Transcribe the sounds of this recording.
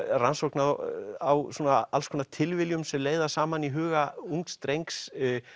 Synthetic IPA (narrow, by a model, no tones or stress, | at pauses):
ransowknaðawsuːnaalskʰɔːnat̪ʰɪlvɪljʏmsɛmleːjðasaːmaniɦʏːɣauŋkt̪st̪ɾejŋks